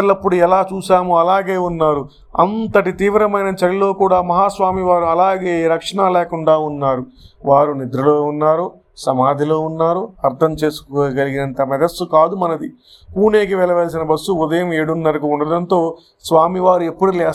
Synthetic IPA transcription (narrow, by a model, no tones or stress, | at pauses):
lɐpːuɽuɛlaːt͡ʃuːsaːmuɐlaːɡeːunːaːɾu | ɐ̰nt̪ɐʈit̪iːʋɾɐmɐjnɐt͡ʃɐɾilo̞ːkuːɽaːmɐɦaːsʋaːmiʋaːɾuɐlaːɡe̞ːɾɐkʂɐɳɐleɛːkuɳɖaːunːaːɾuʋaːɾunid̪ɾulo̞ːunːaːɾu | sɐmaːd̪ʱilo̞ːunːaːɾuɐɾt̪ʰɐmt͡ʃe̞ːsu̥koɡɐliɡinɐnt̪ɐmɐd̪ɐsukaːd̪umɐnɐd̪i | puːne̞ːkiʋɛlɐʋelɐs̬inɐbɐsːuud̪ɐjɐmeːɽunːɐɾikuuɳɖɐɽɐnt̪o̞ː | sʋaːmiʋaːɾuepːuɽuleː